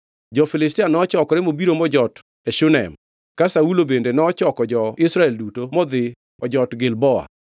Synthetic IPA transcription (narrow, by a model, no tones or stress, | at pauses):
d͡ʒɔfɪlɪstianɔt͡ʃɔkɔɾɛmobiɾomɔd͡ʒɔt | ɛʃunɛ̰m | kasaulobendenɔːt͡ʃɔkɔd͡ʒɔɪsɾaɛldutomɔd̪ɪ | ɔd͡ʒɔtɡɪlbɔa̰